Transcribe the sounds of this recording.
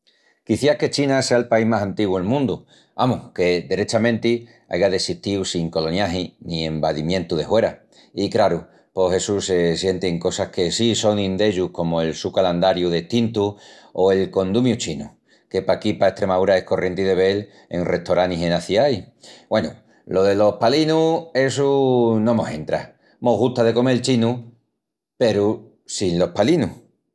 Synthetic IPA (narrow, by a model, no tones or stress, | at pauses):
kiθjahke̞t͡ʃinase̞aelpaiɦmasant̪iɣwuelmũnd̪u | amohke̞d̪e̞ɾe̞t͡ʃamẽ̞nt̪i | a̰jɣaðe̞siht̪iwsiŋko̞lo̞njaɦinie̞mbaðimjẽ̞nt̪uðe̞hwe̞ɾa | ikɾaɾu | po̞he̞susesje̞nt̪eŋko̞sahke̞siso̞ŋĩnd̪e̞ʎuhko̞moe̞lsukaland̪aɾjuðeht̪int̪u | oe̞lko̞nd̪umjut͡ʃinṵ | ke̞pakipae̞ht̪ɾe̞maðuɾae̞hko̞rʔje̞nt̪iðe̞β̞e̞l | e̞̰ŋre̞t̪o̞ɾaniɦe̞naθjajbwe̞nṵ | lo̞ðe̞lo̞hpalinue̞sunõmose̞̰nt̪ɾa̰ | moɣut̪aðe̞ko̞me̞lt͡ʃinu | pe̞ɾu | sinlo̞hpalinu